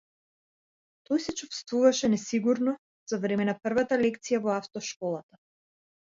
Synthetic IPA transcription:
t̪ɔjsɛt͡ʃufst̪vuvaʃɛnɛsiɡuɾnɔ | z̥avɾɛmɛnapr̩vat̪alɛkt̪sijavɔaft̪ɔʃkɔlˠat̪a

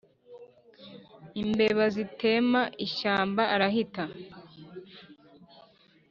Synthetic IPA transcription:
imbe̞βazite̞ːmaʔiʃaːmbaʔaɾaɦita

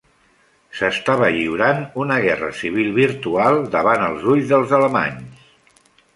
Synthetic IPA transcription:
səst̪aβəʎiuɾanunəɣ̞ɛrə̰siβ̞ilˠβiɾt̪ualˠd̪əβanəlˠzuʎzðəlˠzələma̰ɲs

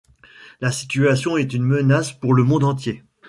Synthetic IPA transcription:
lasi̥t̪yasjɔ̃ɛt̪ynmənaspuʁləmɔ̃d̪ɑ̃t̪je

